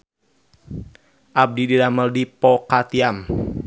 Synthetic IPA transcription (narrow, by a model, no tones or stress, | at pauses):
ʔab̚dididaməldipɔkat̪iam